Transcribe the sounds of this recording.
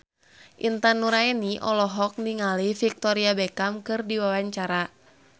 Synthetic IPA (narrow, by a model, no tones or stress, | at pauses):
ʔint̪anːuɾaɛniʔɔlɔɦɔk̚niŋalifik̚t̪ɔɾiabɛkamkɨrdiwawaɲt͡ʃaɾa